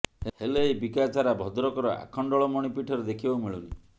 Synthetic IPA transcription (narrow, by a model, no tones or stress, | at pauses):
ehelejbikat͡ʃʰaɾabʱɔd̪ɾɔkɔɾɔa̰kʰɔɳɖɔɭɔmɔɽ̃ipiʈʰɔɾed̪ekʰibawmiɭuni